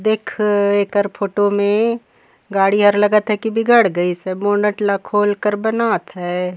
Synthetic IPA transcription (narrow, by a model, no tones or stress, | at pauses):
d̪eːkʰeːkəɾpʰoːʈomẽ | ɡaːɽiɦɐɾlɐɡət̪ɦɛkibʱiɡəɽɡəisɛmoːnəʈlakʰoːlkəɾbɐnaːt̪ɦɛː